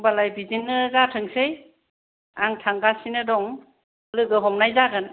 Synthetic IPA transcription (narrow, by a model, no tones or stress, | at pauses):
balajbidinːɯɡatʰɯŋsej | aŋtʰaŋɡasinɯdɔŋ | lɯɡɯɦɔmnajzaɡɯn